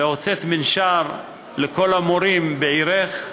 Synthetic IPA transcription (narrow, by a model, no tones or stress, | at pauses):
eot͡set̪minʃaɾ | leko̞lamoɾimbeʕiɾeχ